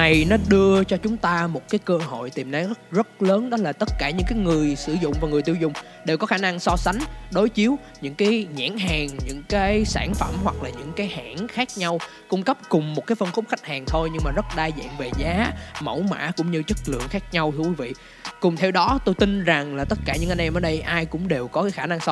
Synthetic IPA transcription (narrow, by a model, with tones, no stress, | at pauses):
na˨˩jnɔ˨˦ɗɨ˧ət͡ɕɔ˧t͡ɕʊ˨˦ŋ͡mt̪aː˧mo˨˩t̚kaː˨˦jkəː˧ɦo̰˧˨jt̪i˨˩mna˨˦˥zə˦˥t̚ləː˨˦nɗɔ˨˦laː˨˩t̪ə˦˥t̚kaː˧˩ɲɨ̰˧˥ŋkaː˨˦jŋɨ˨˩əjsɨ˧˩zʊ̰˧˨ŋ͡mvaː˨˩ŋɨ˨˩t̪i˧əwzʊ̰˧˨ŋ͡m | ɗe˨˩wkɔ˨˦xaː˧˩na˧ŋsɔ˧sa˨˦jŋ̟ɗo˨˦jt͡ɕi˨˦əw | ɲɨ̰˧˥ŋkaː˨˦jɲa̰ː˧˥nɦaː˨˩ŋɲɨ̰˧˥ŋkaː˨˦jsaː˧˩nfə˧˩mɦwa˨˩k̚laː˨˩ɲɨ̰˧˥ŋkaː˨˦jhaː˧˩nxaː˦˥k̚ɲa˧w | kʊ˧ŋ͡mkə˦˥p̚kʊ˨˩ŋ͡mmo˨˩t̚kaː˨˦jfə˧nfʊ˦˥k͡p̚xa˦˥jk̟̚haː˨˩ŋt̪ʰo˧jɲɨ˧ŋmaː˨˩zə˦˥t̚ɗaː˧jzɛ̰ː˧˨nve˨˩zaː˨˦mə˧˩wma̰ː˧˥kʊ̰˧˥ŋ͡mɲɨ˧t͡ɕə˦˥t̚lɨ̰˧˨əŋxaː˦˥k̚ɲa˧wt̪ʰɨ˧əkwi˨˦vḭ˧˨ | kʊ˨˩ŋ͡mt̪ʰe˧wɗɔ˨˦t̪o˧jt̪i˧nza˨˩ŋlaː˨˩t̪ə˦˥t̚kaː˧˩ɲɨ̰˧˥ŋʔnʔɛ˧mʔəː˨˩ɗə˧jʔaː˧jkʊ̰˧˥ŋ͡mɗe˨˩wkɔ˨˦kaː˨˦jxaː˧˩na˧ŋsɔ˧